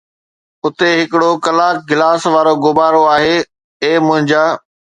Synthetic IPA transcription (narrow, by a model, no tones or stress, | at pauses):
ʊt̪eɦɪkɪɽokɐlaːk̚ɡɪlaːsʋaːɾoɡʊbaːɾoaːɦeː | eːmʊ̃ɦɪ̃ɲd͡ʑaː